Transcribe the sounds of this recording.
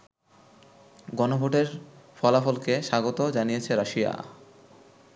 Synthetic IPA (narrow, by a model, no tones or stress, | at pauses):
ɡɔnobʱoʈeɾfɔlafolkeʃaɡot̪od͡ʑanijet͡ɕʰeɾaʃija̰